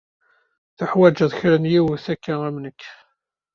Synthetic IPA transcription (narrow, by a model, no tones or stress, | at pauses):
θʊħwæd͡ʒæðçɾənjiwəθækːææmnəkː